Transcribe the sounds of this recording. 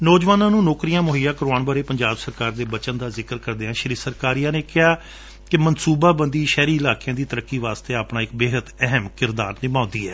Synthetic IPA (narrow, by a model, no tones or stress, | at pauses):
nɔːd͡ʒʋaːnãːnũːnoːkɾijãːmʊɦijãːkəɾoaːnbaːɾeːpəɲd͡ʒaːbsəɾkaːɾd̪eːbət͡ʃənd̪aːzɪkəɾkəɾd̪eːãːʃəɾiːsəɾkaːɾijãːneːkɪɦaː | kɪmənsuːbaːbənd̪iːʃɛːɾiːɪlaːkejãːd̪iːt̪əɾəkːiːʋaːst̪eːaːpɳãːɪkbeːɦət̪ɛɦəmkɪɾd̪aːɾnɪmãːnd̪iːɦɛː